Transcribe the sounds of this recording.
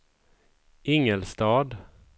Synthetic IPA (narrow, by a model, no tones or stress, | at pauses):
ʔɪŋəlst̪ɑːd̪